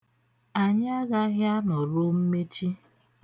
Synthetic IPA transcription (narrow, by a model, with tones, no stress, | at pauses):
a˨ɲɪ˦a˦ɡa˦ɦja˦nɔ˨ɾo˦m̩˦me˦t͡ʃi˦